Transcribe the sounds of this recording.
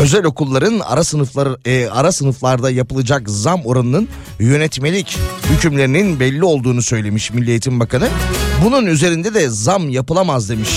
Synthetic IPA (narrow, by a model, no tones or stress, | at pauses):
ø̞zælʲo̞kulˠːaɾɯna̰ɾasɯnɯfˠaaɾasɯnɯflˠaɾd̪ajapɯlˠɯd͡ʒakzamo̞ɾanɯnɯn | jø̞nɛt̪me̞lʲichycymlʲe̞ɾininbɛlʲːio̞lˠd̪uːnusø̞jlʲe̞miʃmilʲːijet̪ʰimbakanɯbununyze̞ɾind̪ɛd̪ɛzamjapɯlˠamazd̪e̞miʃ